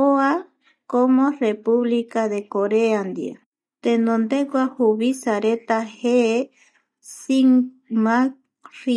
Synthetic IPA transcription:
oa | komõrepuβlikaðekoɾeand̪ḭa̰ | t̪ẽnõnd̪ekʷahuβisaɾet̪ahee | siŋmã | ri

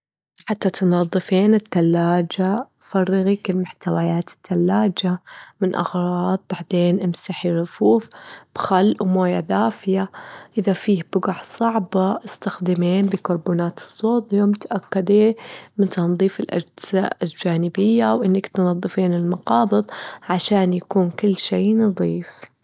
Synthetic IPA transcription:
ħat̪ːat̪nɑðˤːɨfiːnɪt̪ːalːaːd͡ʒa | fɑrˤːɑɣikɪlmʊħt̪awajaːt̪ɪ̥t̪ːalːaːd͡ʒamɪnʔɑ̰ɣɾˤɑːðˤbaʕd̪eːnʔɪmsaħiɾˤʊfuːfb̥xalːmoːjad̪aːfɪjaʔɪðafiːhb̥ʊɡaʕsˤɑʕbɑʔɪst̪axd̪ɪmeːnbɪkʊɾˤboːnaːt̪ɨ̥sˤːoːt̪ˤjoːmʊt̪aʔakːad̪eːmɪnt̪ɑnðˤiːfɪlʔa̰d͡ʒɪzaɪld͡ʒaːnɪbɪjːawʔɪnːakt̪nɑðˤːɨfiːnɪlmɑqɑːbɨðˤʕaʃaːnjakuːnkɪlːʃeːnɨðˤiːf

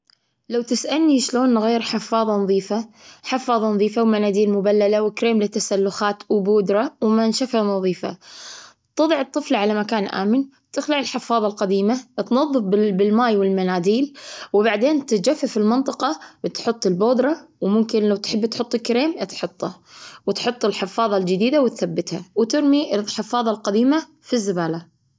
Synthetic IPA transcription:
lawt̪ɪsʔalniʃloːnɣeːɾħɪfːɑːðˤɑnɑðˤiːfaħɪfːɑːðˤɑnɑðˤiːfawmanaːd̪iːlmʊbalːalawɪkɾeːmlɪt̪ːasalːʊxaːt̪wboːd̪ɾˤɑwmanʃafanɑðˤiːfa̰ | t̪ˤɨðˤɑʕɨt̪ˤːɨflʕalamakaːnʔa̰ːmɪn | t̪ɪxlaʕɪlħɪfːɑːðˤɑlqad̪iːmat̪nɑðˤːɨfbɪbɪlmaːjwɪlmanaːd̪iːlwbaʕd̪eːnt̪ɪd͡ʒafːafɪlmɪnt̪ˤɨqɑt̪ħʊt̪ˤːɪlboːd̪ɾˤɑwmʊmkɪnlawt̪ħɪbːt̪ħʊt̪ˤːɪlkːɾeːmt̪ħʊt̪ˤːawt̪ħʊt̪ˤːɪlħɪfːɑːðˤɑld͡ʒɪd̪iːd̪awɪt̪θabːɪt̪ha̰wt̪ɪɾmiɪħɪfːɑːðˤɑlqad̪iːma | fizːɪbaːla

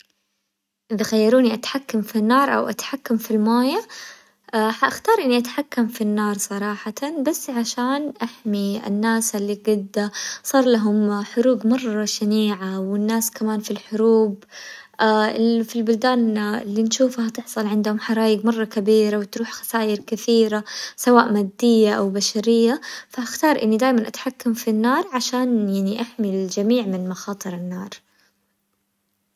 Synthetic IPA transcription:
ʔɪðaxajːɑɾuːniʔat̪ħakːamfinːɑːɾˤʔa̰wʔa̰t̪ħakːamfilmaːja | aħaʔaxt̪ɑːɾˤʔɪnːiʔat̪ħakːamfinːɑːɾˤsˤɑɾˤɑːħat̪abasːʕaʃaːnʔaħmiɪ̰nːaːsɪlːiɡad̪ːasˤɑːɾˤlaɦʊmħʊɾuːɡmɑrˤːɑʃaniːʕawɪnːaːskamaːnfilħʊɾuːbʔafilbʊld̪aːnɪlːinʃuːfhat̪ɪħsˤɑlʕɪnd̪hʊmħɑɾˤɑːjɪɡmɑrˤːɑkabiːɾawɪt̪ɾuːħxḁsaːʔɪɾkɪθiːɾasawaːʔmaːd̪ːɪjːaʔawbaʃaɾɪjːafaʔaxt̪ɑːɾˤʔɪnːid̪aːjmanʔat̪ħakːamfinːɑːɾˤʕaʃaːnjaʕniʔaħmɪld͡ʒamiːʕmɪnmaxɑːt̪ˤɨɾɪnːɑːɾˤ

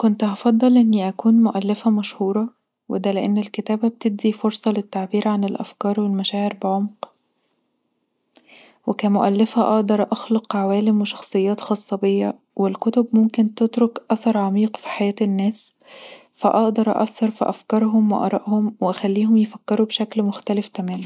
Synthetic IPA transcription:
kont̪hɑfɑd̪ˤːɑlʔenːiʔækuːnmoʔælːæfæmæʃhuːɾˤɑ | wḛd̪æleʔenːelket̪æːbæbet̪eb̪̚d̪ifoɾsˤɑlet̪ːaʕbiːɾʕanelʔæ̰fkɑːɾˤwelmæʃæːʕeɾbeʕomq | wekæmʊʔælːæfæʔɑ̰ʔd̪ɑɾˤʔɑxlɑqʕawæːlemweʃɑ̥xsˤɨjːɑːt̪xɑːsˤːɑbejːæ | welkot̪obmomkent̪et̪ɾokʔæθɑɾˤʕɑmiːqfi̥ħajæːt̪nːæːs | fæ̰ʔɑʔd̪ɑɾˤʔʔæ̰θːɑɾˤfḭʔæfkɑɾˤɦomweʔɑ̰ɾˤɑ̰ʔhomweʔæxælːiːhomjefækːeɾubeʃæklmoxt̪ælefk̪æmæːm

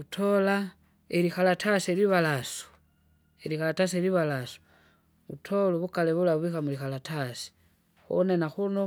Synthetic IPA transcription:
utʰola | eɾixalatʰaseliβalasu̥ | elixalataseliβalasu̥ | βṵtʰoluβukaleβulaβixamulixalatasi̥ | xo̰nenaxuno

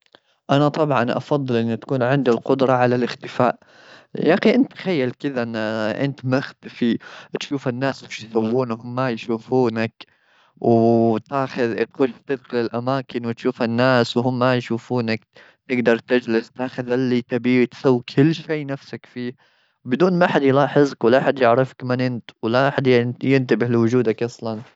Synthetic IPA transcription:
ʔanat̪ˤɑbʕɑnʔɑ̰fɑðˤːɨlʔɪnːit̪ḁkuːnʕɪnd̪alqʊd̪ɾˤɑʕalalʔɪxt̪ɪfaːʔ | jɑxiʔɪnt̪ːxajːalkɪðaʔnaʔɪ̰nt̪maxt̪ɪfit̪ʃuːfanːaːsɪʃjsawːuːnhʊmːajʃuːfuːnak | wt̪aːxʊðt̪xʊʃt̪ɪd̪xɪlɪlʔamaːkɪnwɪt̪ʃuːfanːaːswɦʊmːajʃuːfuːnak | t̪ɪɡd̪ɑɾˤt̪ɪd͡ʒlɪst̪aːxʊðhalːit̪abiːt̪sawːkʰɪlːʃeːnafsakfiː | bɪd̪uːnmaʔħad̪jlɑːħɪzkwɪlaʔaħad̪jɪʕɾɪfḁkmanʔɪnt̪wɪlaʔħad̪jjɪnt̪ɪbɪħlɪwʊd͡ʒuːd̪akʔɑsˤlɑn

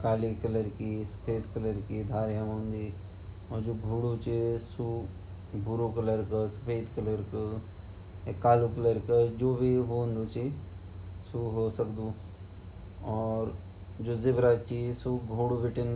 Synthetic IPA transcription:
kaːlikɐləɾkisɐ̥pʰeːd̪kələɾkid̪ʱaːɾjamõːnd̪i | ɔːɾd͡ʒoːɡʱuːɽut͡ʃisu | bʱuɾukɐləɾkəsɐ̥pʰeːd̪kələɾkə | ekːaːlukələɾkəd͡ʒoːbʱiɦoːnd̪ut͡ʃi | suɦosəkd̪u | ɔːɾ | d͡ʒoːzɪbɾat͡ʃisuɡʱuːɽubɪʈən

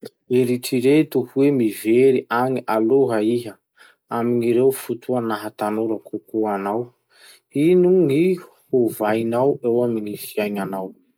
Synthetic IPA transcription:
eɾiʈ͡ʂiɾet̪uhuwemiveɾiʔaŋiʔaloɦaiɦə | aminiɾewfut̪uanaɦat̪anoɾakʰukuanaw | inuŋihuvajnawewamiŋifiajnanaw

